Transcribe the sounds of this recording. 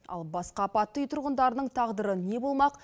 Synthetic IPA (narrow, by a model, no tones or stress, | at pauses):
ɑ̰lˠbɑsqɑpɑt̪ːəjt̪ʰʊɾʁənd̪ɑɾənəɴt̪ʰɑʁd̪əɾəne̞bo̞lˠmɑq